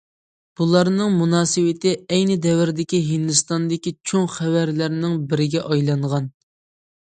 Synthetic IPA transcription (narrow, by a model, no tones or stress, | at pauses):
b̥ulˠɑɾnɨŋmunɑːsɨwɪt̪ʰɪɛjnɪd̪ɛwɪɾd̪ɪkʲiɦind̪ɨst̪ɑnd̪ɪkʲit͡ʃʰoŋχæwæɾlæɾnɪŋbɪɾɪɡʲɛʔɑjlˠɑɴʁɑn